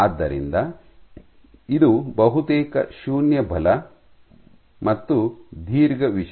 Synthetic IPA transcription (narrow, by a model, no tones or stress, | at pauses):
aːd̪ːɐɾḭnd̪ɐ | id̪ubɐɦut̪eːkɐ̰ʃuːnjɐbʱɐlɐ | mɐt̪ːud̪ʱiːɾɡɐʋiʃ